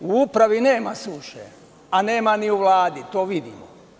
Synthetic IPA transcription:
uupɾaʋine̞ːmasuʃḛ | ane̞ːmaniuʋlˠaːd̪it̪oːʋid̪ḭmo

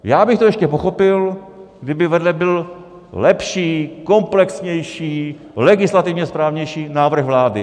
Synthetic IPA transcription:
jaːbɪxt̪ojɛʃcɛpoxo̞pɪl | ɡdɪbɪvɛdlɛbɪl | lɛpʃiːko̞mplɛksɲɛjʃiː | lɛɡɪslat̪ɪvɲɛspɾaːvɲɛjʃiːnaːvr̩ɣvlaːdɪ

